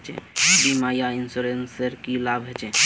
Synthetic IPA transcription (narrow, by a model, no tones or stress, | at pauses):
t͡ʃʰḛbimajainsuɾenseɾkilabʱɦet͡ʃʰe